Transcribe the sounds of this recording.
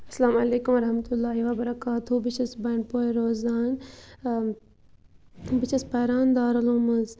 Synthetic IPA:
ɐsɐlaːmɐleːkumɐɾɐɦmt̪ulːaːɦiʋaːbɐɾɐkaːt̪ubit͡ʃɐsbɐːɳpoːiɾoːzaːn | bit͡ʃʰɐspɐːɾaːnd̪aːɾɐloːmɐz

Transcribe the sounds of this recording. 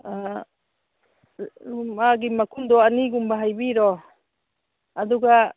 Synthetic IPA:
a | ɾumaɡimakʰumd̪ɔaniɡumbaɦajbiɾɔ | ad̪uɡa

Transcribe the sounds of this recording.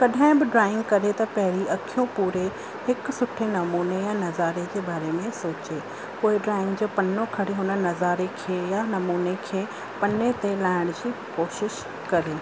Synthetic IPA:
kɐɗʱaaɪ̃bɪɖɾaːɪ̃ŋɡkɐɾet̪ɐpɐɦɪɾiɐkʰijõpuːɾe | hɪksʊʈʰenɐmuːnejanɐzaːɾed͡ʑeːbaːɾemẽsoːt͡ɕe | poːɪɖɾaːɪ̃ŋɡd͡ʑoːpɐnokʰɐɽeɦʊnənɐzaːɾekʰeːjanɐmuːnekʰeː | pɐnet̪elaːɪɽ̃d͡ʑiːkoːʃɪʃ | kɐɾeː

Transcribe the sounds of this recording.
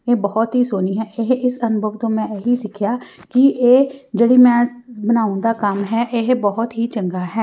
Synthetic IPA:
eːbɔːt̪ɦiːsoːniːɦɛːʔɪɦɪsənʊbʱəʋt̪õːmɛ̃ːeɦiːsɪkʰɪjaːkɪeːd͡ʒeɽiːmɛ̃ːbənaːʊ̃nd̪aːkəmɦɛːʔeɦbɔːʊt̪ɦiːt͡ʃəŋɡaːɦɛː

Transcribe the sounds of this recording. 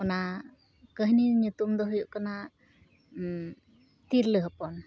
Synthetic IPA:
ɔna | kəɦniɲut̪umd̪ɔɦujuʔkana | t̪iɾləɦəpɔn

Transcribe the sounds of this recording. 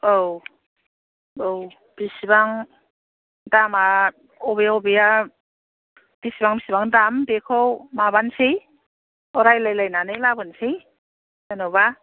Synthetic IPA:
ow | ow | b̥isibaŋ | dama | ɔbejaobija | b̥isibaŋbisibaŋdambekʰowmabansej | ɔɾajlajlajnanɯlabɯnsej | nanɔwba

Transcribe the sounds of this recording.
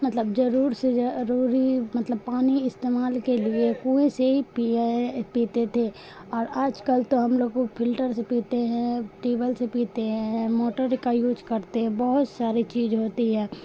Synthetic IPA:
mət̪ləbd͡ʒəɾuːɾseɾuːɾimət̪ləb̚paːniɪst̪eːmaːlkeliekũːẽseɦipipiːt̪et̪ʰe | ɔːɾaːd͡ʒkəlt̪oɦɐmloːɡopʰɪlʈəɾsepiːt̪eɦɛ̃ʈeːbəlsepiːt̪eɦɛ̃moːʈəɾkajuːd͡ʒkəɾt̪eɦɛ̃bəɦʊt̪saːɾit͡ʃiːzɦoːt̪iɦɛː

